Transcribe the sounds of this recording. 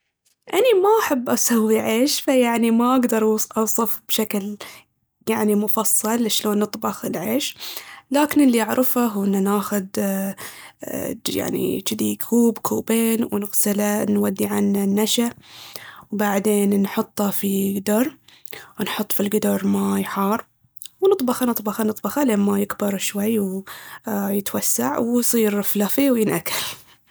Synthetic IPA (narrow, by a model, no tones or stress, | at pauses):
ʔanamaʔaħabːʔasawːiʕeːʃfajaʕnimaʔaɡd̪ɑɾˤʔɑʔɑwsˤɨfb̥ʃakl | jaʕnimʊfɑsˤːɑlɪʃloːnːɨt̪ˤbɑxɪlʕeːʃlaːkɪnɪlːiʔaʕɾɪfaɦuːʔɪnːanaːxʊd̪ | ja̰ʕnḭt͡ʃɪd̪ikʰuːbkʰuːbeːnwnɪɣsɪlanwad̪ːiʕananːaʃa | wbaʕd̪eːnnħʊt̪ˤːɑfiɡd̪ɑɾˤ | wnħʊt̪ˤːfilɡɪd̪ɑɾˤmajħɑːrˤ | wnɨt̪ˤbɑxɑnɨt̪ˤbɑxɑnɨt̪ˤbɑxaleːmmajɪɡbɪɾˤʃwajːw | jɪt̪wasːaʕwsˤiːɾɪflafiwjɪnʔakːal